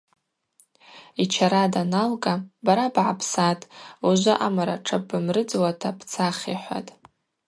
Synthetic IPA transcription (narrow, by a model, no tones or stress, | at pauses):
it͡ʃʰaɾadanalɡʼabaɾabʕapʰsatʼuʒʷaʔamaɾaʈ͡ʂʰabɨmrɨd͡zwatʰapʰt͡sʰaχʲiħʷa̰tʼ